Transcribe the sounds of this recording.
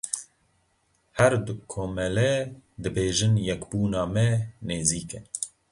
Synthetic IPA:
hɛɾd̪ukʰoːmɛlɛd̪ɨbeːʒɨnjɛkbuːnɑːmɛneːziːkɛ

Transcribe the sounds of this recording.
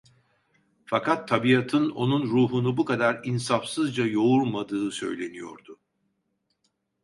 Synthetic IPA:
fakʰat̪ʰːabijat̪ʰɯno̞nunɾuːɦunubukad̪aɾinsafsɯzd͡ʒajo̞uɾmad̪ɯːsø̞̰jlʲe̞nijo̞̰ɾd̪ʊ

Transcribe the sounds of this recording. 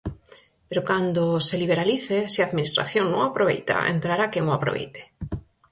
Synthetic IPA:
peɾokand̪oseliβeɾaliθesiaːðminist̪ɾa̰θjoŋnõŋapɾoβḛjt̪a̰ḛnt̪ɾaɾakeŋoapɾo̰βḛjt̪e̥

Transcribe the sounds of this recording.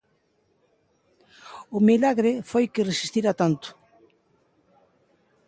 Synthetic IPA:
ʊmilaɣɾɪfojkɪresist̪iɾat̪ant̪ʊ̥

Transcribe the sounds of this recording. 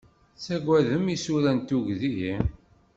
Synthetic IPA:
sæɡʷæðəmisuɾænt̪uʝðiji

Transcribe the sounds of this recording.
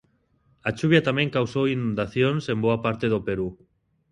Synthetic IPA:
at͡ʃuβjat̪amẽŋkawsowinũnd̪aθjonsemboapaɾt̪eðopeɾu

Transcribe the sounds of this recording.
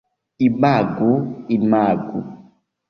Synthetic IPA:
imaɡuimaɡṵ

